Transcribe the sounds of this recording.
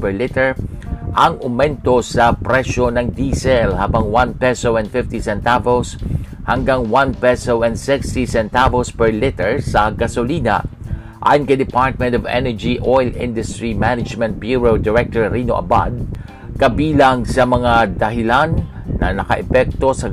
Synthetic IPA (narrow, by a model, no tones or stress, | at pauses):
pɛɹlɪt̪ɛɹ | ʔɐŋʊmɛnt̪o̞sɐpɾɛʃonɐŋd̪iːsɛlhaːbaŋwanpɛsowɛnd̪fɪft̪isɛnt̪avows | hɐŋɡaŋwanpɛsowɛnd̪sɪkst̪isɛnt̪avospɛɹlɪt̪ɛɹsɐɡɐsoliːna̰ | ʔa̰ːjonkɐjd̪ɪpaɹt̪̚mɛ̃nt̪ɔvɛ̰nɛɹd͡ʒiʔojlɪ̃nd̪ʊst̪ɹimanɪd͡ʒmɛ̃nt̪̚bjuɹowd̪ɪɹɛk̚t̪oɹɾinoʔɐ̰ba̰d̪̚ | kɐbiːlaŋsɐmɐŋad̪ɐɦɪlanː | ɐ̰nɐkɐ̰ʔɛpɛk̚t̪o̞sɐ